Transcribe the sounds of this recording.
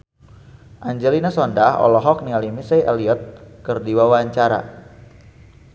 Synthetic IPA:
ʔaɲd͡ʒɛlinasɔndahɔ̰lɔɦɔk̚nialimisejʔaliɔt̪̚kɨrdiwawaɲt͡ʃaɾa̰

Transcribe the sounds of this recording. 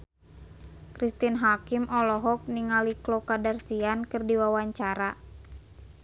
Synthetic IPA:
kɾist̪inɦakimʔɔlɔɦɔk̚niŋaliklokadarsiankɨrdiwawaɲt͡ʃaɾa

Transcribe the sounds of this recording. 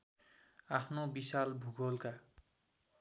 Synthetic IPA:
apʰnobisalbʱuɡʌlka

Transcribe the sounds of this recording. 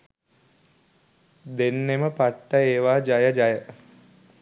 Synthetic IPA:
d̪enːeməpaʈːəeːʋaːd͡ʒajəd͡ʒajə

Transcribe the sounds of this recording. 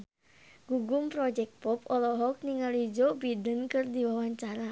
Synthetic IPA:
ɡ̥uɡumpɾɔd͡ʒɛk̚t̚pɔpɔlɔɦɔk̚niŋalid͡ʒɔbidənkɨrdiwawaɲt͡ʃaɾa

